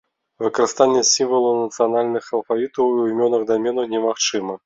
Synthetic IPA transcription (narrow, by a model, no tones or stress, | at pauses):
vɨkɐɾɨst̪anʲːɛsʲimvɐlˠunɐt̪sɨjanalʲnɨxɐlˠfavʲit̪ɐwiimʲɔnɐɣd̪amʲɛnɐwnʲɛmaxt͡ʂɨmɐ